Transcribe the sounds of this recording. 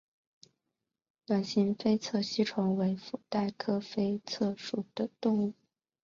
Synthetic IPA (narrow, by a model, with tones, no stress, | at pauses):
lwa˨˩nɕi˧˥ŋfe˥ɪt͡sʰɤ˥˩ɕi˥ʈ͡ʂʰʊ˧˥ŋwe˧˥ɪfu˨˩t̪a˥˩ɪkʰɤ˥fe˥ɪt͡sʰɤ˥˩ʂu˨˩d̪̥ə˦t̪ʊ˥˧ŋu˥˩